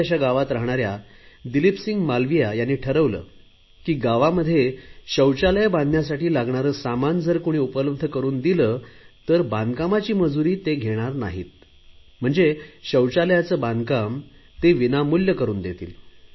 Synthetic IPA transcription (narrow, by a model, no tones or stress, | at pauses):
aɕaɡaʋat̪ɾaɦɳ̃aɾja | d̪ilipsiŋɡmalʋijajanːiːʈʰəɾəʋlə̰ː | kiːɡaʋaməd̪ʱːjeɕəwt͡ɕaləjaband̪ʱnjasaʈiːlaɡɳaɾəːsamand͡zəɾkoɽ̃iːupələb̚ʱd̪ʱəkəɾuːnd̪iləːt̪əɾbãnd̪kamat͡ɕiːməd͡zuɾiːt̪eɡʱeɽ̃aɾnaɦḭːt̪̚ | m̤əɳd͡zeɕəwt͡ɕaljat͡səːband̪kamt̪eʋinamuljəkəɾuːnd̪et̪ḭːl